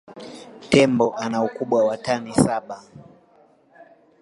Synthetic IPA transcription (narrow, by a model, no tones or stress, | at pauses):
tɛmbɔʔanaukuɓwawatanisaɓa